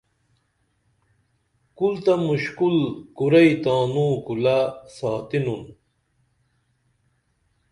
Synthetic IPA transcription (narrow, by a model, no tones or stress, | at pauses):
kult̪ɐmuɕkulkuɾɐit̪aːnũːkulasaːt̪inun